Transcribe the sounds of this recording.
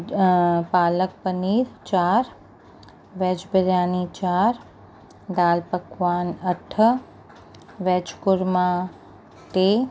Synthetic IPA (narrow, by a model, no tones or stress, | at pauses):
paːlək̚pəniːɾt͡ʃaːɾ | ʋeːd͡ʒbəɾjaːnit͡ʃaːɾ | d̪aːlpəkʋaːnɐʈʰə | ʋɛːt͡ʃkʊɾma | t̪eː